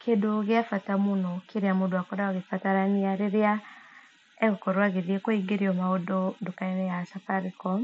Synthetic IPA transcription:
kʰedoɣeafatamonɔkʰeɾeamodoakɔɾaɔɣefataɾaniaɾeɾea | ɛɣokɔɾwaɣeðiekoiɡeɾiɔmaodondokainɛjasafaɾikɔ

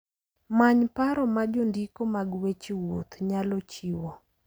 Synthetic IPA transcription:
maɲpaɾɔmad͡ʒondikomaɡwet͡ʃiwot̪ɲalɔt͡ʃiwɔ

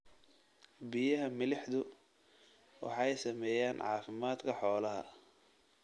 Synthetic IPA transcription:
bɪjɐɦɐmɪlɪħd̪ʊ | wɑ̰ħɑɛjsɐmɛːjaːnʕɑ̰ːfɪmaːd̪kʰɐħɔːlɐɦɐ̰

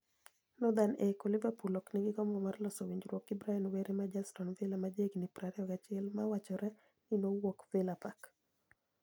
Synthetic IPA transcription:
nɔd̪anekɔlivapulɔkniɡɪkɔmbɔmarlɔsɔwiɲd͡ʒɾwɔkibɾainweɾʔemad͡ʒastɔnvɪlamad͡ʒeɡnipɾaɾɛɔkat͡ʃɪɛlmawat͡ʃɔɾɛ | ninowɔkvelapak

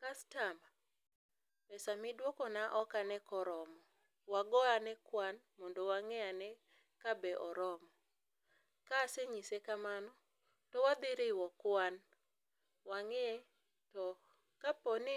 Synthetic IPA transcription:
kastama | pɛsamɪdwɔkɔnaʔɔkanɛkɔɾɔmɔ | waɡɔanɛkwan | mɔndɔwaŋɛanɛ | kabɛʔɔɾɔmɔ | kasɛɲisekamanɔ | tɔwad̪ɪɾɪwɔkwan | waŋɛɛ | tɔ | kapɔnɪ

